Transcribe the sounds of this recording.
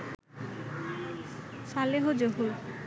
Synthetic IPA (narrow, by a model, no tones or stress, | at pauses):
saleɦod͡ʑoɦu